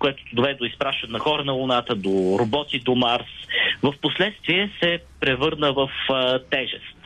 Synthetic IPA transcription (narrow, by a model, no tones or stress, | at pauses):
koɛt̪o̥t̪od̪ovɛd̪ɛd̪oispɾaʃt̪ɐnɛnɐxɔɾənɐlˠʊnat̪əd̪oɾobɔt̪id̪omaɾsvəfposlɛt̪st̪viɛsɛpɾɛvɤɾnəvəft̪ɛʒɛst̪